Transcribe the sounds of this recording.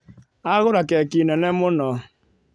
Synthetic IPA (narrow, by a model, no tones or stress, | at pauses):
aɣʊɾakɛkinɛnɛmʊnɔ